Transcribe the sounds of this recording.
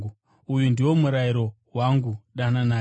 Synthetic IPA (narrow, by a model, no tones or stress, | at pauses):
u | ujundiwo̞muɾaiɾo̞ | waŋɡuɗanana